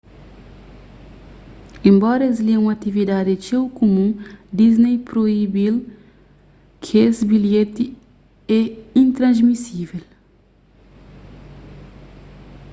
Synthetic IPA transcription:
ẽmbɔɾɐezliũɐt̪ivid̪ad̪it͡ʃewkomũd̪iznejpɾoibil | kʰesbiljet̪i | ɛĩnt̪ɾɐ̃zmisivel

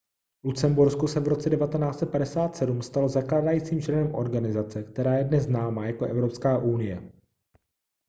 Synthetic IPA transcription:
vlut͡sɛmbuɾskusɛvɾo̞t͡sɛdɛvat̪ɛnaːt͡sɛt̪̚padɛsaːt̪sɛdumst̪alo̞zaklaːdajiːt͡siːmt͡ʃlɛnɛmʔo̞̰ɾɡanɪzat͡sɛkt̪ɛɾaːjɛdnɛzznaːmaːjakoʔɛvɾo̞pskaːʔunɪjɛ̰

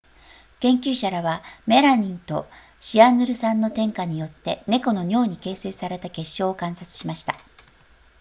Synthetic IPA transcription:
kẽ̞ŋkʲɨːɕaɾaβame̞ɾaɲ̟ĩnt̪o̞̰ | ɕianɨɾɯ̟sãnːo̞t̪ẽ̞ŋkaɲ̟ijo̞t̪ːe̞ne̞ko̞no̞ɲʲo̞ːɲ̟ike̞ːse̞ːsaɾe̞t̪ake̞ɕːo̞ːkãɰ̃sat͡sɨ̥ɕimaɕi̥t̪a

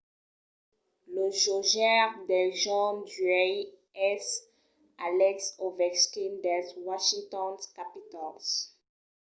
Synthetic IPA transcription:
ləʒoʒɛʁd̪ɛʒɔ̃dyɛ | ɛs | alɛksovɛkskind̪ɛzwaʃĩŋt̪ɔ̃nkapit̪ɔls

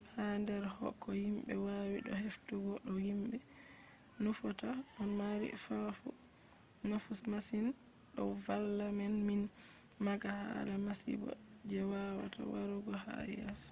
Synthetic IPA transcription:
handɛɾhɔ̰kʰːɔhimbɛwawiɗɔheftuɡɔɗɔhimɓɛ | nufɔtahɔmaɾḭfafṵ | nufusmasin | ɗɔvalːamɛnmin | maɡaha̰ɾamasḭbɔ̰d͡ʒɛwawa̰tʰa̰waɾuɡɔha̰jɛs

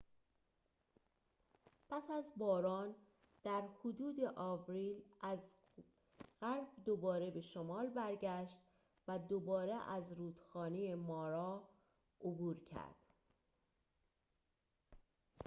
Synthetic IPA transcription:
pʰæsæzbɒːɾɒːn | d̪̥æɾhod̪uːd̪e̞ʔɒːvɾiːlæz | ɣæɾb̚d̪obɒːɾe̞be̞ʃomɒːlbæɾɟæʃt̪ | væd̪obɒːɾeʔæzɾuːd̪̥xɒːnejemɒːɾɒː | obuːɾcʰæ̰ɾd̪̥

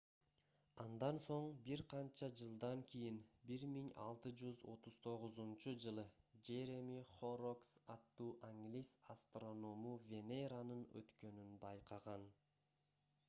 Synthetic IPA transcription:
ɑnd̪ɑnso̞ɴbiɾqʰɑnt͡ʃɑd͡ʒɯlˠd̪ɑŋkʲʰijinbiɾmiŋɑ̰lˠt̪ɯd͡ʒyzo̞̰t̪uz̥t̪ʰo̞ʁuzunt͡ʃud͡ʒɯlˠɯ | d͡ʒe̞ɾemiχoɾoksɑt̪ːuːʔaŋɡlʲisast̪ro̞no̞muvʲe̞neɾanɯnø̰t̪kø̞nynbɑjqʰɑʁɑn

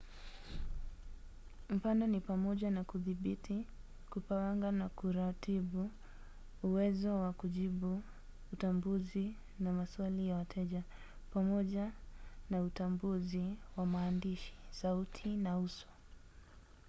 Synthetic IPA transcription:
m̩fanɔnipamɔʄanakuðiɓitʰi | kupawaŋɡanakuɾatiɓuː | wɛzɔwakuʄiɓuː | tambuzi | namaswalijawatʰɛʄa | pamɔʄanautambuziwamaːndiʃi̥sautʰinausɔ̥

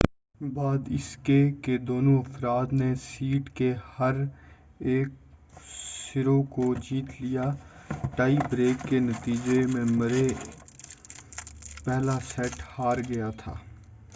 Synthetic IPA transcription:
baːd̪ɪskeked̪oːnõɐfɾaːd̪nesiːʈkehɐɾ | eːk̚ | sɪɾokod͡ʒiːt̪lijaʈaːibɾeːkːenɐt̪iːd͡ʒemẽmɐɾe | pɛɦlasɛʈhaːɾɡɐjat̪ʰa̰ː

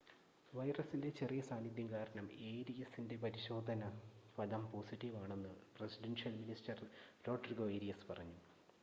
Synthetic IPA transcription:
ʋɐjrɐsinde̞t͡ɕe̞rijɐsaːnid̪jɐmkaːɾɐɳɐme̞ːɾijɐsːinde̞p̬ɐɾiɕo̞ːd̪ʱɐnɐɐlɐmpoːsiʈːiʋaːɳe̞nːɨpresiɖenʂjɐlminisʈɐrɾo̞ːʈrɡo̞eːɾijɐspɐrɐɲːu

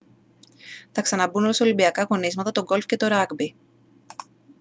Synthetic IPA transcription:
θɐksɐnɐbunɾosɐolimbiɐkɐɣo̞nizmɐt̪ɐt̪o̞ɡo̞lfce̞t̪o̞ɾɐɡbi

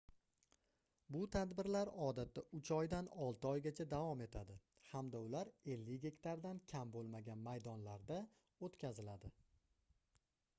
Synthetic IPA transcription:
bʊt̪ʰad̪bɪɾlaɾɒd̪at̪ːaʔʊt͡ʃʰɒjd̪anɒlˠt̪ɪɒjɡʲat͡ʃʰad̪avɒme̞t̪ʰad̪ɪ | hamd̪aʊlaɾe̞lːɪkʲɡʲe̞kʲt̪aɾd̪ankʲʰambolˠmaɡʲanmajd̪ɒnlaɾd̪a | ot̪kʲʰazɪlad̪ɪ

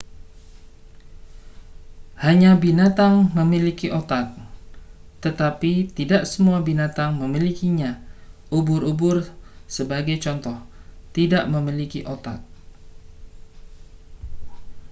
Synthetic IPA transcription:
haɲãbinat̪aŋməmilikiʔot̪ak̚ | t̪ət̪apit̪idaʔsəmuabinat̪aŋməmilikiɲã | ubʊrubʊrsəbaɡajt͡ʃɔnt̪ɔht̪idaʔməmilikiʔot̪ak̚

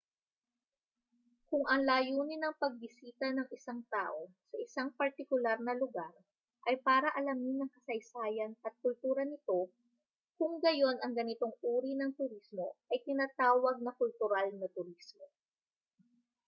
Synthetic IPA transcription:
kʊŋʔɐŋlaːjuːnɪnɐŋpɐɡ̚bɪsiːt̪ɐnɐŋɪsaŋt̪aːʔo̞ | sɐʔɪsaŋpɐɾt̪ɪkʊlaɾnɐlʊɡaɾ | ʔɐjpaːɾɐʔɐlɐmnɪnɐŋkɐsɐjsaːjɐnɐt̪̚kʊlt̪uːɾɐnɪt̪o̞ | kʊŋɡɐjo̞nʔɐŋɡɐnɪt̪o̞ŋuːɾinɐŋt̪ʊɾismo̞ʔɐjt̪ɪnaːt̪aːwɐɡ̚nɐkʊlt̪ʊɾalnɐt̪ʊɾismo

